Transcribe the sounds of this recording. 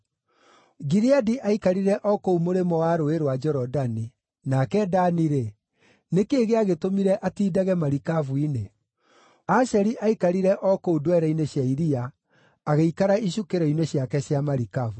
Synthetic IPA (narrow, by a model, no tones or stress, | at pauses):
ɡiɾiadiʔaikaɾiɾɛʔɔkoumoɾemɔwaɾoeɾowad͡ʒɛɾɔdani | nakɛdaniɾe | nekeːɣeaɣetomiɾɛʔatiːdaɣɛmaɾikavuine | aʃɛɾiʔaikaɾiɾɛʔɔkoudwɛɾaineɕjaiɾiaː | ɣeikaɾaiɕukeɾɛineɕjakɛɕjamaɾikavu